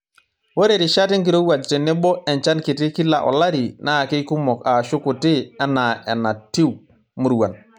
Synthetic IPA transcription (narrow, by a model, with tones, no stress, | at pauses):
wo˦ɾe˨ɾi˨ʃa˦ti˦ŋki˨ɾo˦wa˨d͡ʒti˨nɛ˦bɔ˦ʔɛ˨nt͡ʃa˦nki˨ti˦ki˦la˨ʔɔ̰˨la˦ɾi˨na˦˨ki˦ku˦mɔ˨ka˨ʃʊ˦ku˨ti˦a˦na˨ɛ˨na˨ti˦w | mu˦ɾwa˨n